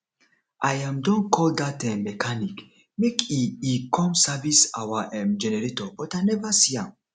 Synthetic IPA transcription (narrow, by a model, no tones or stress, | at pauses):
ʔajãmdɔ̃nkʰɔld̪atɛ̃mɛkʰanik | mekʰiikʰɔ̃msavisa̰waʔɛ̃md͡ʒɛnɛɹetɔb̥ɔtanɛvasiã̰m